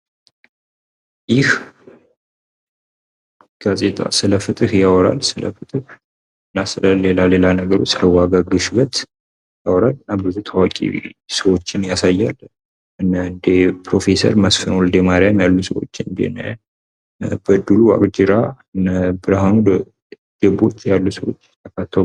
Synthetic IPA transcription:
jɪh | ɡ̥azʼe̞t̪ʼa̰sɨləfɨt̪ʼɨhjawɔɾa̰lsɨlə̰fɨt̪ʼɨh | ɨnːasɨləlelale̞lanəɡəɾo̞t͡ʃːləwaɡaɡɨʃβət̪ | jawɾalɨnːabɨzut̪ʰawakʼḭsəwo̞t͡ʃːɪnjasajːal | ɨnːənd̪epʰɾo̞fe̞sə̰ɾməsfɨnwɔld̪emaɾjamjalːusəwo̰t͡ʃːɪnd̪ḛnə | bəd̪ːulua̰kʼd͡ʒɪɾaɨnːəbɨɾaɦanud̪ | ɡəbo̞t͡ʃʼːjalːusəwot͡ʃːt̪ʰːəkʰat̪ʰːa

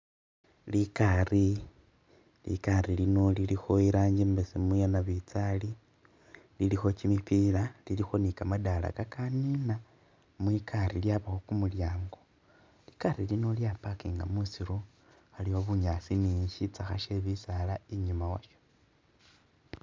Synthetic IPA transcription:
likari | lḭkaɾilino̞lilixo̞iɾaːɲɟimbesimujanaβit͡sali | lilixo̞cimipiːlalilixo̞nikamadala̰kakanina | mwikʰaɾiljaβaxokumuljaːŋɡo̞ | likaɾilino̞ljapakiŋɡamusiɾo | xaliwoβuɲasiniːɲʃit͡saxaʃeβisalaiɲumawa̰ʃo̥

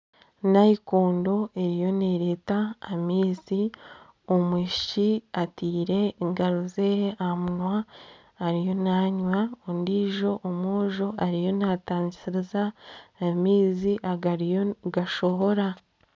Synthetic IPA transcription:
najikoːndo̞e̞ɾijo̞neːɾeːtaːmiːzi | omwiːʃiatiːɾe̞ŋɡaɾuzeamunwaː | ɾijo̞naːɲwaondiːʒo̞ʔːmoːʒo̞ʔaɾijo̞nataːɲisiɾezaː | miːziʔaɡaɾijoɡaʃo̞βo̞ɾa

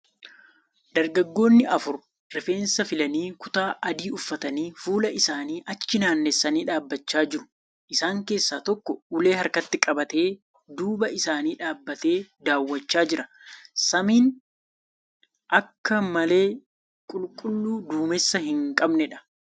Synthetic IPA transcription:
d̪ɐɾɡɐɡːo̞ːnːɪʔɐfʊɾ | ɾɪfe̞ːnsɐfɪlɐniːkʊt̪aːʔɐd̪iːʊfːɐt̪ɐniːfuːlɐʔɪsaːniːʔɐt͡ʃːɪnaːnːɛsːɐniːᶑaːbːɐt͡ʃːaːd͡ʒɪɾʊ̥ | ʔɪsaːŋke̞ːsːaːt̪ɔkːɔʊle̞ːhɐɾkɐt̪ːɪkʼɐbɐt̪e̞ː | d̪uːbɐɪsaːniːᶑaːbːɐt̪e̞ːd̪aːwːɐt͡ʃːaːd͡ʒɪɾɐ | sɐmiːn | ʔɐkːɐmɐle̞ː | kʼʊlkʼʊlːuːd̪uːmɛsːɐhɪŋkʼɐbnɛᶑɐ̥

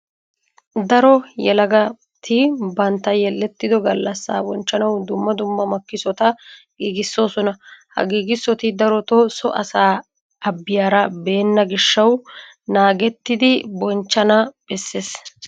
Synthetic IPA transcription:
d̪ɐɾɔjɛlɐɡɐ | t̪ʰɪbɐnt̪ːɐjɛlːɛt̪ːɪd̪ɔɡɐlːɐsːa̰ːbɔnt͡ʃːɐnɐwd̪ʊmːɐd̪ʊmːɐmɐkːɪsɔt̪ɐ | ɡiːɡɪsːo̞ːsɔnɐhɐ̰ɡiːɡɪsːɔt̪ɪd̪ɐɾɔt̪ɔsɔʔɐsaː | ʔɐbːɪjaːɾɐbeːnːɐɡɪʃːɐw | naːɡɛt̪ːɪd̪ɪbɔnt͡ʃːɐnɐb̥ɛsːeːs

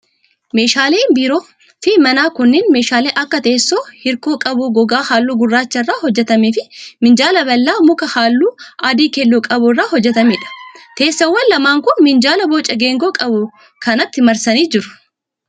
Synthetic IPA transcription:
me̞ːʃaːleːbiːɾo̞ː | fɪmɐnaːkʊnːeːnme̞ːʃaːleːʔɐkːɐt̪e̞ːsːoːhɪɾko̞ːkʼɐbuːɡɔɡaːhaːlːuːɡʊrːaːt͡ʃːɐrːaːhɔd͡ʒːɛt̪ɐmeːfɪmɪnd͡ʒaːlɐbɐlːaːmʊkɐhaːlːuːʔaːd̪iːkɛlːɔkʼɐbʊrːaːhɔd͡ʒːɛt̪ɐmeːᶑɐ̥t̪e̞ːsːɐwːɐnlɐmaːŋkʊnmɪnd͡ʒaːlɐboːt͡ʃʼːɐɡe̞ːŋɡoːkʼɐbʊ | kɐnɐt̪ːɪmɐɾsɐniːd͡ʒɪɾʊ̥

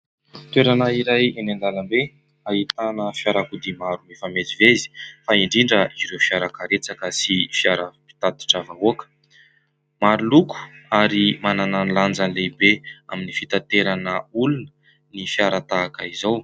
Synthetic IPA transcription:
t̪weɾanaiɾajenand̪alambe | aɦit̪anəfjaɾakud̪imaɾumefamed͡zivezi̥faiɳɖ͡ʐiɳɖ͡ʐəiziɾewfiaɾakaɾet͡sakəsifiaɾəpi̥t̪ad̪i̥ʈ͡ʂavaoakə̥ | maɾuluku̥aɾimanananland͡zənlebeaminifit̪at̪eɾanəulunə | nifiaɾat̪aːkəizaw

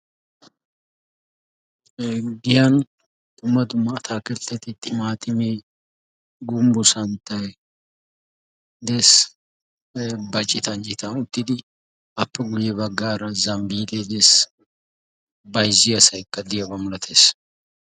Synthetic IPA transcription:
ɡɪjan | d̪̥ʊmːɐd̪ʊmːɐːt̪ʰaːkɛlt̪ːɛt̪ɪt̪ʼːɪmaːt̪ʼɪme | ɡʊmbʊsɐnt̪ɐjɛ | d̪ɛs | bɐt͡ʃʼːɪt̪ɐnd͡ʒɪt̪ɐnʊt̪ːɪd̪ɪ | ɐpːɛɡʊjɛbɐɡːaːɾɐzɐmbiːd̪eːd̪es | bɐjzɪɐsɐjkːɐd̪ɪjɐbɐmʊlɐt̪ʰeːs

